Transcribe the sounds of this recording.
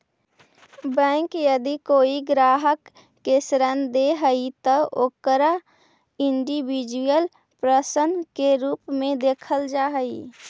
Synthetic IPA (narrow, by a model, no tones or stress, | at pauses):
bɛ̃ŋkjəd̪ikoːiɡɾaːɦəkː | esɾənd̪eɦəit̪əoːkəɾa | ɪɳɖibid͡ʒujəl | pɾəsənd̪keɾuːpmẽd̪eːkʰəld͡ʒaːɦəi